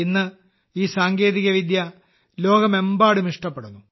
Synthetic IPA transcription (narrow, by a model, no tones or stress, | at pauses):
inːɨ | iːsaːŋɡe̞ːðiɣɐʋid̪jɐ | lo̞ːɡɐme̞mbaːɽumiʂʈɐpːe̞ɽunːu